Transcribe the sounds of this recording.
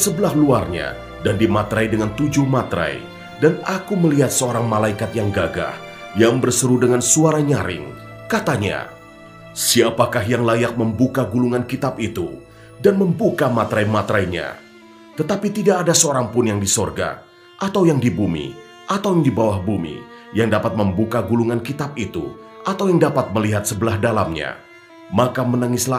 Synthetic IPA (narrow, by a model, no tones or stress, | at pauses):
səbəlahluarɲa̰ | dandimat̪ɾajdəŋant̪ud͡ʒuhmat̪ɾa̰j | danakuməliɦat̪̚səoɾaŋmalaikat̪jaŋɡaɡa̰h | jaŋbərsəɾudəŋansuaɾaɲaɾɪ̰ŋ | kat̪aɲa̰ | siapakaɦjaŋlajak̚məmbukaɡuluŋankit̪ap̚it̪u | danməmbukamat̪ɾajmat̪ɾajɲa̰ | t̪ət̪apit̪idaːdasəoɾaŋpʊnjaŋdisorɡa̰ | ʔat̪awjaŋdibumḭ | ʔat̪awjaŋdibawahbumḭ | jaŋdapat̪̚məmbukaɡuluŋankit̪ap̚it̪ṵʔat̪awjaŋdapat̪̚məliɦat̪̚səbəlahdalamɲa̰ | makamənaŋɪsla